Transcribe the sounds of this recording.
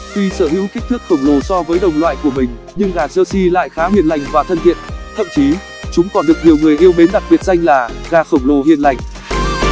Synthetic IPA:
xi˧səː˧˩hḭ˧˥wki˦˥k̚t̪ʰɨ˦˥k̚xə˧˩wŋ͡mlo˨˩sɔ˧vəː˨˦jɗə˨˩wŋ͡mlwa̰ː˧˨jku˧˩əmï˨˩ŋ̟ | ɲɨ˧ŋɣaː˨˩t̚zəː˧si˧la̰ː˧˨jxaː˨˦ɦwi˧˨ənla˨˩jŋ̟vaː˨˩t̪ʰə˧nt̪ʰḭ˧˨ənt̪ʰə̰˧˨mt͡ɕi˨˦ | t͡ɕʊ˨˦ŋ͡mkɔ˨˩nɗɨ˨˩k̚ɲi˨˩əwŋɨ˨˩əjʔi˧əwɓe˨˦nɗa˨˩k̚ɓi˨˩ət̚za˧jŋ̟laː˨˩ɣaː˧˩xə˧˩wŋ͡mlo˨˩ɦḭ˧ənla˨˩jŋ̟

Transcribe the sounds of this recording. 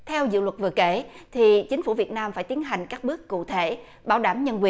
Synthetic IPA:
t̪ʰɛ˧wzɨ̰˧˨lwə˨˩t̚vɨ̰˨˩əke˧˩˦ | t̪ʰi˨˩t͡ɕï˨˦ŋ̟fu˧˩vi˨˩ət̚naː˧mfaː˧˩jt̪i˨˦ənɦa˨˩jŋ̟kaː˦˥k̚ɓɨ˦˥əkːṵ˧˨t̪ʰe˧˩ | ɓaː˧˩wɗaː˧˩mɲə˧nki˨˧˩

